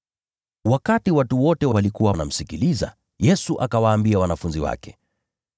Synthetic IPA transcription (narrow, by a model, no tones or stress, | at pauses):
wakatiwatuwɔtɛwawalikuwana̰m̩sikiliza̰ | jɛsuʔakawaːmbiawanafunziwa̰kɛ̥